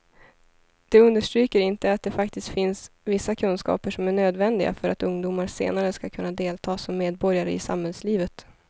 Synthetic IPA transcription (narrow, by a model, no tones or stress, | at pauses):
d̪̥ɛɵnd̪əʂʈɾyːkəɾɪnt̪əat̪̚d̪ɛfakt̪ɪst̪fɪnsvɪsːakʰɵnskɑ̰ːpəʂɔmæɳøːd̪vɛnd̪ɪɡa̰fœɾat̪ɵŋd̪uːmaɾsḛːnaɾəskakʰɵnːad̪eːlt̪ʰɑːsɔmːeːd̪̚bɔɾjaɾəɪ̰sa̰mhɛlsliːvət̪